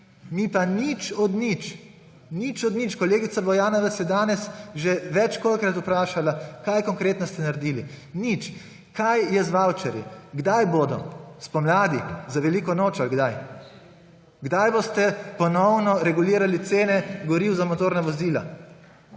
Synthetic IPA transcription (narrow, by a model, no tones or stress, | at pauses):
nipanit͡ʃɔd̪nit͡ʃ | nit͡ʃɔd̪nit͡ʃkɔleːɡit̪sabɔjaːnɔʋɛt̪sjɛd̪aːnɛsʒeʋɛt͡ʃkolkɾat̪upɾaːʃalakajkɔŋkɾeːt̪nɔst̪ɛnaɾd̪iːli | nit͡ʃ | kajjɛzʋawt͡ʃɛɾjḭɡd̪ajboːd̪ɔspɔmlaːd̪izaʋɛliːkɔnoːt͡ʃalɡd̪aj | ɡd̪ajbost̪ɛpɔnɔwnɔɾɛɡuliːɾalit̪seːnɛɡɔɾiwzamɔt̪oːɾnaʋɔziːla̰